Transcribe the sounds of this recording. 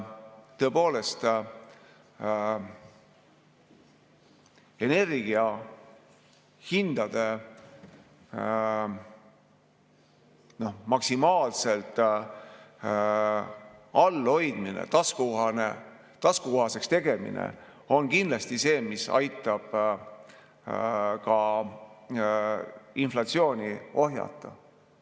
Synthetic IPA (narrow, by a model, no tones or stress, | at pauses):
t̪ɤ̞po̞ːle̞st̪ | e̞ne̞rɡiɑ | hind̪̥ɑd̪̥e̞ | no̞hmɑksimɑːlse̞lt̪ | ɑlːo̞jd̪̥minḛt̪ɑskuɑne | t̪ɑskukoɦɑse̞kst̪e̞ɡ̥e̞mḭnḛ | o̞nkind̪̥lɑst̪ise̞ːmisɑ̰jt̪ːˑɑb̥ | kɑ | inflɑt̪sio̞ːnʲio̞ɦjɑ̰t̪ˑːɑ̰